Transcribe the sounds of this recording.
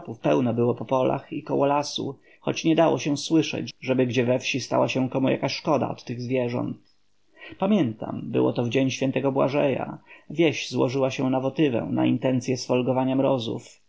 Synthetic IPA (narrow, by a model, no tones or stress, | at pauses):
pufpɛwnɔbɘwɔpɔpɔlʔa̰xikɔwɔlasṵ | xɔ̰t͡ɕɲɛd̪awɔɕɛswɘʂɛ̰t͡ɕʐɛbɘɡd͡ʑɛvɛfɕist̪a̰waɕɛ̃kɔmuja̰kaɕʂkɔd̪a̰ɔt̪ːɘɣzvʲjɛʐɔ̰nt̪ | pamʲjɛnt̪a̰mbɘ̰wɔ̰t̪ɔvd͡ʑeɲɕfʲjɛnt̪ɛɡɔbwa̰ʐɛja̰vʲjɛɕzwɔʐɘwaɕɛnavɔt̪ɘvɛ̰̃na̰int̪ɛnt̪sʲjɛsfɔlɡɔvaɲamɾɔzṵf